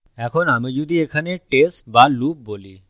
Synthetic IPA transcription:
ɛkʰonamid͡ʒud̪iekʰaneʈesʈbalup̚boli

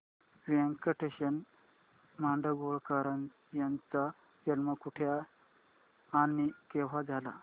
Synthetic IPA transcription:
ʋiẽŋkəʈeɕən | maɳɖəɡoɭkaɾən | jãnt͡sa | jəlmakuʈʰja | nikeʋ̤ad͡zʱala̰

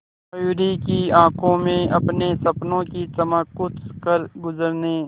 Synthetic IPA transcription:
juɾikiãːkʰõmẽɐpnesɐpnõkit͡ʃɐməkːʊtkəɾɡʊzəɾne

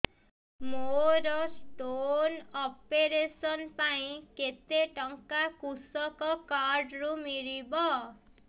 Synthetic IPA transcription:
moɾɔsʈonɔpeɾesɔnpaĩket̪eʈɔŋkakusɔkɔkaɾɖɾumiɾibɔ

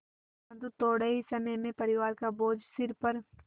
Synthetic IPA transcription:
bɐ̃nd̪ut̪oːɽəisɐməjmẽpɐɾɪʋaːɾkaboːd͡ʒsɪɾpɐɾ

